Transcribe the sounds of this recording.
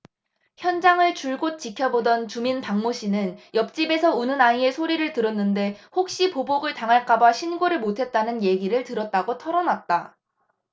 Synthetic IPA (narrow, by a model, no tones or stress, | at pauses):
çjʌnd͡ʑaŋɯɭt͡ɕuɭɡot̚t͡ɕ͈ikʰjʌbodʌnt͡ɕuminpaŋmoɕʰinɯnjʌp̚t͡ɕ͈ibe̞sʰʌunɯnaie̞sʰoɾiɾɯɭtɯɾʌnːɯnde̞hok̚ɕ͈ipoboɡɯɭtaŋɦaɭk͈abaɕʰinɡoɾɯɭmotʰe̞t̚t͈anɯnje̞ɡiɾɯɭtɯɾʌt̚t͈aɡotʰʌɾʌnat̚t͈a